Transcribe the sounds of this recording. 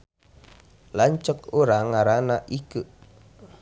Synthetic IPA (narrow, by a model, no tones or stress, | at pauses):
laɲt͡ʃəkoɾaŋːaɾanaʔiku